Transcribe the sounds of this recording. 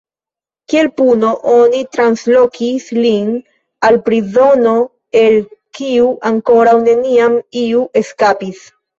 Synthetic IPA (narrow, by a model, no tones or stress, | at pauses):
kie̞lpuno̞ʔo̞nitɾanslo̞kʰislin | alpɾizo̞no | e̞lkiuʔaŋko̞ɾawne̞niamiuʔe̞skapis